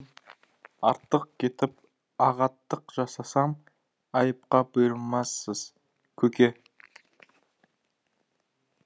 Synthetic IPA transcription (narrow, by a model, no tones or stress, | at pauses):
ɑɾt̪ːəq̚kʲʰe̞t̪ɪp̚ | ɑʁɑt̪ːəqʒ̥ɑsɑsɑm | ɑjəp̚qɑbʊjəɾəlˠmɑsːəz̥ | kʲʰɵkʲe̞